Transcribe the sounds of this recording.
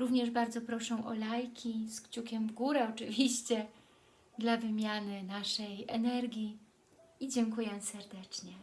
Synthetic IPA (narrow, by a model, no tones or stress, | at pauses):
ɾuvɲɛʐbaɾd̪zɔpɾɔʂɛ̃ʔɔ̰lajkʲiskt͡ɕukʲɛmvɡuɾɛɔt͡ʂɘvʲiɕt͡ɕɛ | d̪lavɘmʲjanɘnaʂɛjɛ̰nɛɾɡʲi | id͡ʑɛŋkujɛsɛɾd̪ɛt͡ʂɲɛ